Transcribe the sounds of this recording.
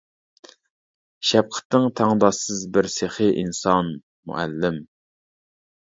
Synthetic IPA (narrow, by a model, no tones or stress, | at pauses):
ʃɛp̚qʰə̥t̪nɪŋt̪ʰɑŋd̪ɑsɨzbɪɾseχɨʔinsɑn | mṵʔɛ̰lːɪm